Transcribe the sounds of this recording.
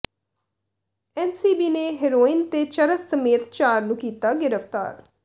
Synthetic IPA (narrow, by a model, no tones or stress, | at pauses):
ɛːnsiːbiːneːɦɪɾoːɪnt̪et͡ʃəɾəsːəmeːt̪t͡ʃaːɾnũːkiːt̪aːɡɪɾəfʰt̪a̰ːɾ